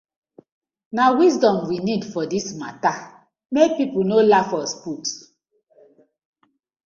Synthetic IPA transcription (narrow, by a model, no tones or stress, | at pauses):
nawis̬dɔ̃mwinidfɔdismata | mek̚pipunolafɔspus